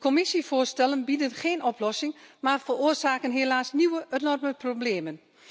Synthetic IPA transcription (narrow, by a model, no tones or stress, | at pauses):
kʰɔmɪsifʊːrstɛlənbidənχeːnɔplɔsɪŋmaːrfəroərsaːkənɦeːlaːsniʋəʔənɔrməprobleːmən